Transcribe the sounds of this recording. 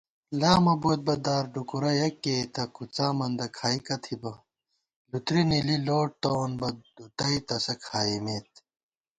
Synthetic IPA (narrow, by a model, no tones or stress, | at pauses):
laːmɐboːt̪̚bɐd̪aːɾɖukuɾɐjɐkːeːt̪ɐkʰut͡saːmɐnd̪ɐkʰaːikɐt̪ʰibɐ | lut̪ɾinililoːʈ̚t̪oːnbɐd̪ut̪ɐit̪ɐsɐkʰaːimeːt̪̚